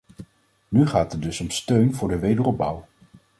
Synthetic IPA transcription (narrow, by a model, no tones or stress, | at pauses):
nyχaːtət̚dɵsɔmstøɥnvʊːɹdəʋejdərɔb̚bʌw